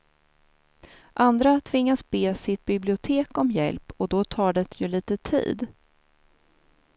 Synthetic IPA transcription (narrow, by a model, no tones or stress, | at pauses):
ʔand̪ɾat̪ʰvɪŋːasbeːsɪt̪̚bɪblɪʊt̪ʰeːkɔmjɛ̰lpɔd̪ɔt̪ʰɑːɖɛt̪ʰjɵliːt̪ət̪ʰḭːd̪